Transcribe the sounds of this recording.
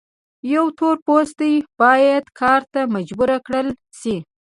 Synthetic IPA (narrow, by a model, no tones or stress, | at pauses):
jawt̪oɾpost̪əjb̥ɑjad̪kʰɑɾt̪amad͡ʒbuɾakɽəl | ʃi